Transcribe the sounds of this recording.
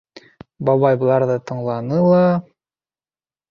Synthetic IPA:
bɑβɑjbɤ̆lˠɑɾðɤt̪ɤ̆ɴlˠɑnɤlˠɑ

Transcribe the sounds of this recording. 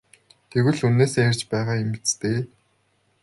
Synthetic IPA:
t̪ʰeɣɘ̆ɮunːeːsær̥ʲt͡ɕpæːʁaːemit͡st̪eː

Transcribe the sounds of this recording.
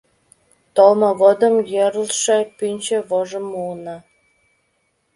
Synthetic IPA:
t̪olmoɣod̪ə̆mjeɾəlʃepynʲt͡ɕĕβoʒə̆munɑ

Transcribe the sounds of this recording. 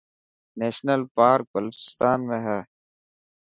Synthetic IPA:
neːʃnəlpaːɾk̚bəlfɪ̥st̪aːnmẽɦɛː

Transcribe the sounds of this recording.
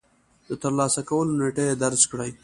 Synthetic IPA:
d̪ət̪əɾlɑsakawəloneʈajed̪aɾzkɽaj

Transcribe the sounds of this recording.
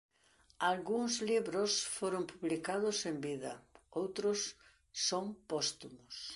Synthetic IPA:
alɣuŋzliβɾʊsfoɾompuβlikaðʊsembiðɐowt̪ɾʊsː | oŋpɔst̪umʊs

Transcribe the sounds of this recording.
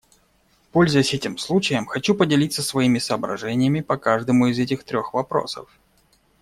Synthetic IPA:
po̞lʲzʊjɪsʲɛtʲɪmslˠut͡ɕɪjəmxɐt͡ɕupədʲɪlʲit̪səsvɐimʲɪsɐːbɾɐ̰ʐɛnʲɪjəmʲɪpɐkaʐd̪əmʊɪzɛtʲɪxt̪ɾʲo̞xvɐpɾo̞̰sə̰f

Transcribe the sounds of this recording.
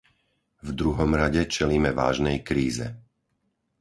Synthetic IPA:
vd̪ɾuɦɔmɾaɟɛt͡ʃɛliːmɛʋa̰ːʒnɛjkɾiːzɛ̰

